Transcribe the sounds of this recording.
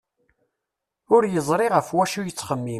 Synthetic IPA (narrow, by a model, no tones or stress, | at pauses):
ʊɾjəzˤɾˤiʁəfwæʃujət͡sːχəmːi